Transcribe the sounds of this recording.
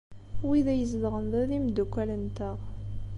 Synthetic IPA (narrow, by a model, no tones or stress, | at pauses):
wiðæjəzd̪ʁənðæðimd̪ukʷːælənt̪əʁ